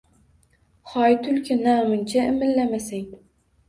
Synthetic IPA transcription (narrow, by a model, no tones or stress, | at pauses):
χɒjt̪ʰʊlkʲʰɪnamɪnt͡ʃʰaɪmɪlːamasaŋ